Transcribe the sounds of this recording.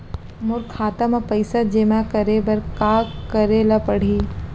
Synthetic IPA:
mʊɾkʰaːt̪ɐmɐpɐɪsad͡ʒemakɐɾebɐɾkaːkɐɾelɐpɐɽ̤iː

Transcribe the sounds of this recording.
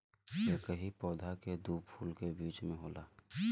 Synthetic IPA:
jekəɦipɔːd̪ʱaked̪uːpʰuːlkebiːt͡ʃmẽɦoːlaː

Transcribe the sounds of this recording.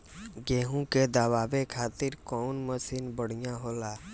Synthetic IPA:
ɡeːɦũked̪aːʋaːʋekʰaːt̪ɪɾkɔːnməsɪnbəɽ̤ijãɦoːlaː

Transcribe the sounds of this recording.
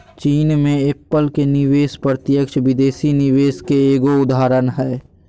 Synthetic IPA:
t͡ʃiːnmẽepːəlkenɪʋeːspɾət̪jəkʃʋɪd̪eːsinɪʋeːskeeːɡoʊd̪aːɾənɦɛː

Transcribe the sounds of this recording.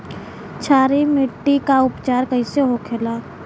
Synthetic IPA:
t͡ʃʰaːɾimɪʈːikaʊpt͡ʃaːɾkəĩseɦokʰelaː

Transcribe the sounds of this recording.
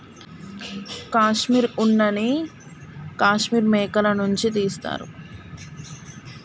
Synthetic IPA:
kaːʃmiːɾunːɐni | kaːʃmiːɾmɛːkɐlɐnuɲt͡ʃit̪iːst̪a̰ːɾṵ

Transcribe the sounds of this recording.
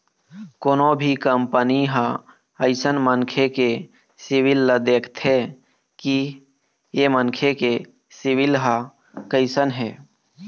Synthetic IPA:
koːnobʱikəmpəniɦã | əɪsənmənkʰeke | sɪwɪlːəd̪eːkʰt̪ʰe | ki | jemənkʰeke | siwɪlɦa | kəɪsənɦɛː

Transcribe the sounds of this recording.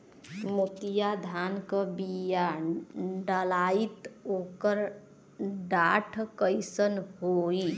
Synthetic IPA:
mut̪ijad̪ʱankəbija | ɖəlait̪okəɾ | ɖaʈʰkəjsənhoi

